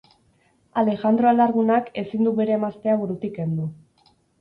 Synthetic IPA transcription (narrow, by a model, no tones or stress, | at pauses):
ale̞xand̪ɾoalaɾɣunake̞sind̪uβe̞ɾe̞ːmast̪e̞aβuɾut̪ike̞nd̪u